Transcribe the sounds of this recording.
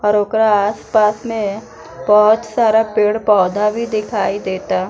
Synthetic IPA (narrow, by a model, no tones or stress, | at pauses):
ɔːɾoːkɾaaːspaːsmẽ | bɔɦʊt̪saːɾapeːɽpɔːd̪ʱabʱid̪ɪkʰaːid̪eːt̪aː